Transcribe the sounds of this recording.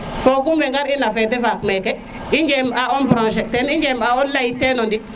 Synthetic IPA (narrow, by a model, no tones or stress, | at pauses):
fokumbeŋɡaɾinafedefakmeke | iɲd͡ʒemaombɾõnʃeteniɲd͡ʒemaonlaitenondi